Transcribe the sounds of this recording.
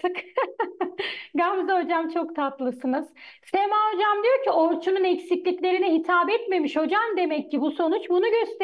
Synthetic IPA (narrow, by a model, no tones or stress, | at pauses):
ɯk | ɡamzaɦo̞d͡ʒamt͡ʃʰo̞kt̪ʰat̪lˠɯsɯnɯz̥semaɦo̞d͡ʒamd̪ijo̞ɾcʰioɾt͡ʃʰununɛcsiclʲiclʲe̞ɾinɛɦit̪ʰaːbɛt̪me̞miʃho̞d͡ʒamd̪e̞mɛcːibuso̞nut͡ʃbunuɟøst̪ʰe